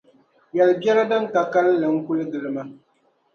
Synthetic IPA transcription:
jɛ˨lbɛ˦ɾa˦dɨ˦ŋ˦ka˨ka˦lːɨ˨ŋ̩˦kʊ˦lɨ˦ɡɨ˨ɾɨ˦ma˦

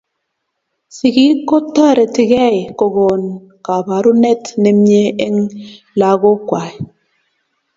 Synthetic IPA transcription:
si˨ɣi˦kɔ˦tːa˦˨ɾe˨ti˨ɣɛ˦˨jkɔ˨ɣɔ˨n | ka˨ba˨ɾu˦ne˦tne˦m˦ɲe˦e˦ŋ | la˨ɣo˦kwa˨i˨

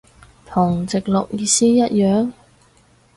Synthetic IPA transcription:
t̪ʰʊ˨˩ŋt͡sɪ˨k̚lʊ̰˨k̚jiː˧siː˥jɐ˥t̚jœː˨ŋ

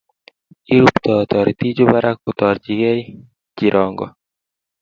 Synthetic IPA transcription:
i˦ɾu˨pt̪ɔ˨t̪ɔ˨ɾit̪i˦d͡ʒo˦ba˦ɾa˦k̚ːʊt̪ɔ˨ɾd͡ʒi˨ɡe˦ | d͡ʒi˨ɾɔŋɡɔ̰˨

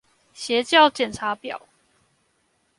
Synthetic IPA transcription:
ɕjɛ˨˦t͡ɕjɑ˥˨ʊt͡ɕjɛ˨˩nʈ͡ʂʰa˨˦pjɑ̰˨˩˦ʊ

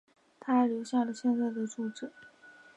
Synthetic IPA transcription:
t̪ʰa˥ɛ˨˩˥ljo˧˥ʊɕja˥˩lə˩ɕjɛ˥˧nt͡sa˥˩ɪd̪ə˩ʈ͡ʂu˥˩ʈ͡ʂɤ˨˩˦

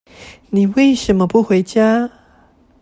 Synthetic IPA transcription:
ni˨we˥˩jɕə˨˥mə˨pu˥xwe˧˥ɪt͡ɕja˥

